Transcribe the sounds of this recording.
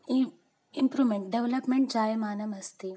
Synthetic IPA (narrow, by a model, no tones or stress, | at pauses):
impɾuːmeɳʈ̚ɖeʋlɐpmeɳʈ̚d͡ʒaːjɐmaːnɐmɐst̪i